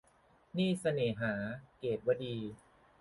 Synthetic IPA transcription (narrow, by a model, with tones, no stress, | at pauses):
niː˥˩sa˧neː˨˩˦ɦaː˩˦keː˨˩t̪̚wa˧diː˧